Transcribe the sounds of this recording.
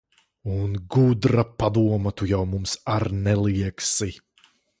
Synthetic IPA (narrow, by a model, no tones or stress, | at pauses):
unɡud̪ɾapad̪uɔmɐt̪ujawmumsaɾnɛlˠiɛksi